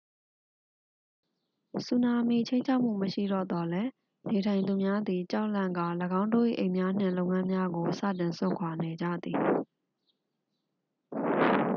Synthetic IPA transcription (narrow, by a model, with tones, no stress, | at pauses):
su˨na˨me˨t͡ɕʰẽ˦ɪ̃ɲt͡ɕʰa˦ʊʔm̥ṵ˦˨məʃḭ˦˨ɾɔ̰˦˨d̪ɔ˨lɛ˦ | ne˨tʰã˨ɪ̃nd̪u˨mja˦d̪i˨t͡ɕa˦ʊʔlã˦˨ŋɡa˦˨ləɡã˦ʊ̃ndo̰˦˨ʔḭ˦˨ʔẽ˨mja˦n̥ɪ̰̃˦˨lõ˦˨ʊŋã˦mja˦ɡo˨sä̰˦˨tɪ̃˨nsʊ̰̃˦˨ŋkʰwa˨ne˨d͡ʑa̰˦˨d̪i˨